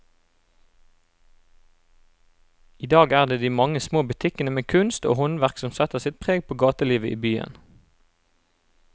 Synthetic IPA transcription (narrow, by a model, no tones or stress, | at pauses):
iːd̪ɑːɡæːʁd̪eːd̪iːmɑŋəsmoːbʉt̪ʰɪkənəmeːkʰʉnst̪o̰ːhɔnʋæʁksɔmsɛt̪əʁsɪt̪̚pʰʁeːɡ̚pʰoːɡɑːt̪əliːʋəʔḭːbyːə̰n